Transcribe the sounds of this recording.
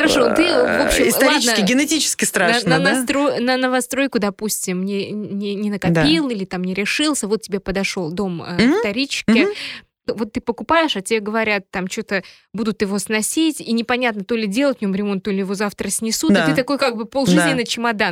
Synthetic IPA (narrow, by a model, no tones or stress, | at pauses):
xəɾɐʂo̞t̪ɨvo̞pɕːɪmɪslɐɾˠid̪nsəkʲɪɡʲɪnɪtʲit͡ɕɪ̥skʲɪst̪ɾad̪aʂənast̪ɾojnənəvɐst̪ɾo̞jkʊd̪ɐpusʲtʲɪmnʲenʲɪnʲɪnəkɐdp̪ʲilˠilʲɪt̪amnʲɪɾʲɪʂɨlˠsʲəvo̞t̪̚ʲtʲːɪbʲepəd̪ɐʂo̞lˠd̪o̞mə̰t̪ɐɾʲit͡ɕkʲɪ | vo̞t̪ːɨpəkʊpajɪʂatʲɪbʲeaɡəvɐɾʲat̪t̪ːamt͡ɕot̪ə | bud̪ʊt̪jɪvo̞snɐsʲitʲinʲɪpɐnʲat̪nət̪o̞lʲɪdʲe̞lˠətʲvnʲomɾʲɪmo̞nt̪̚ːo̞lʲɪjɪvo̞zaft̪ɾəsʲnʲɪsut̪d̪at̪ɨt̪ɐko̞jkaɡ̚bɨpolˠʐɨznʲɪnɨjt͡ɕɪmɐd̪a